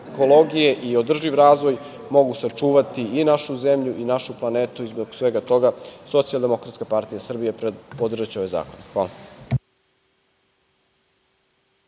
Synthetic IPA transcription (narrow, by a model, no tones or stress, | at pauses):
kolo̞ɡije̞ʔio̞d̪r̩ʒiʋɾaːzʋo̞j | mo̞ɡusat͡ʂuːʋat̪iːnaʃuzemʎuʔinaʃuplˠaneːt̪uizboɡsʋe̞ɡat̪o̞ɡaso̞t̪sijalˠd̪e̞mo̞kɾat̪skapaɾt̪ijasr̩bijeepod̪r̩ʒat͡ɕeo̞ʋeza̰ːkonxʋaːla